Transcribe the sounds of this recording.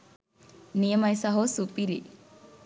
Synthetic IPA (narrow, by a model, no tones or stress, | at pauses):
nijɐmɐjsɐɦosupiɾḭ